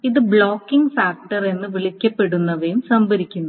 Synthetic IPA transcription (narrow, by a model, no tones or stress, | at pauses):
iðɨbɭoːkːiŋɡfaːk̚ʈɐre̞nːɨʋiɭikʲːɐpːe̞ɽunːɐʋejumsɐmbɐɾikʲːunːu